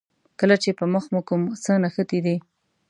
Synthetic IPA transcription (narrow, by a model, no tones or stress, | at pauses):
kəlat͡ʃepəməxmukʊmsənaxət̪id̪i